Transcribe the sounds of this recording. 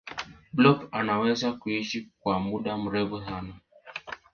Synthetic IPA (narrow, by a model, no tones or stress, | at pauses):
blɔpanawɛzakuiʃik̚wamuɗam̩ɾɛβusana